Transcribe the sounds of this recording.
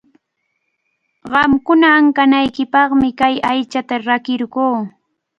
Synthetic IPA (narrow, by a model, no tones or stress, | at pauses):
ɢɑmkʊnaːŋkanajkɪpɑχmɪkajajt͡ʃat̪aɾakɪɾɢoː